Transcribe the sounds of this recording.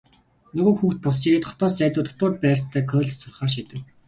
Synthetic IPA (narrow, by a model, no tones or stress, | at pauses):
nɵɣoːxuːxt̪̚pʊst͡ɕiɾeːt̪χɔ̥t̪ɔːst͡sæːt̪ʊːt̪ʰʊ̥t̪ʊːrt̪̚pæːr̥ʲt̪ʰːæːkʰœːɮsʊrχaːʃ̬iːt̪ɘ̆k